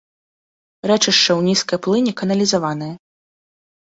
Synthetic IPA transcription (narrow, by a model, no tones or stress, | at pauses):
ɾɛt͡ʂɨʂt͡ʂɛwnʲiskɐjplˠɨnʲikɐnɐlʲizavanɨjɐ